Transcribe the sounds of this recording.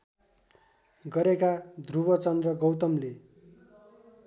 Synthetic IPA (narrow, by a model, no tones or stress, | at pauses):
ɡʌɾekad̪rubʌt͡sʌnd̪rʌɡʌwt̪ʌmle